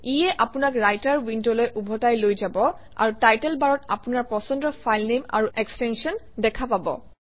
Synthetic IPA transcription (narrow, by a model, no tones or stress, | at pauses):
ijɛʔapʊnakɹajtaɹwindolojʔubʱɔtajlojzabɔ | a̰ɹutajtɛlbaɹɔta̰punaɹpɔsɔndɔfʰajlnema̰ɹuʔɛkstɛnsiɔn | dɛkʰapabɔ̰